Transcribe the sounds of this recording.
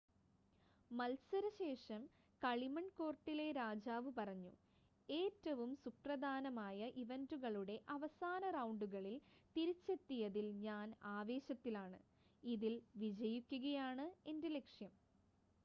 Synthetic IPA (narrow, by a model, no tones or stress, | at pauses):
mɐlsɐɾɐɕe̞ːʂɐm | kɐɭimɐɳko̞ːrʈːile̞ɾaːd͡ʑaːʋɨpɐrɐɲːṵ | e̞ːtːɐʋumsuprɐd̪ʱaːnɐmaːjɐʔiʋɐnduɣɐɭuɽe̞ʔɐʋɐsaːnɐrɐwɳɖuɣɐɭilt̪iɾit͡ɕːe̞t̪ːijɐðilɲaːnaːʋe̞ːɕɐt̪ːilaːɳɨ | iðilʋid͡ʑɐjukʲːuɣɐjaːɳɨe̞ndele̞kʂjɐm